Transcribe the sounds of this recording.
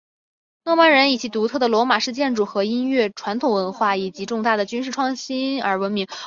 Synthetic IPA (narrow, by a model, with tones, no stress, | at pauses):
nɔ˥˧wa˥˩nɻə˧˥ni˨˩t͡ɕʰi˧˥t̪u˧˥t̪ʰɤ˥˩d̪ə˩lwɔ˧˥ma˨˩ʂɻ̩˥˧t͡ɕjɛ˥˧nʈ͡ʂu˥˩xɤ˧˥i˥nɥɛ˥˩ʈ͡ʂʰwa˧˥nt̪ʰʊ˨˩ŋwə˧˥nxwa˥˩i˨˩t͡ɕi˧˥ʈ͡ʂʊ˥˧ŋt̪a˥˩d̪ə˩t͡ɕy˥nʂɻ̩˥˩ʈ͡ʂʰwɑ˥˩˧ŋɕi˥nə̰˞˧˥wə˧˥nmi˧˥ŋ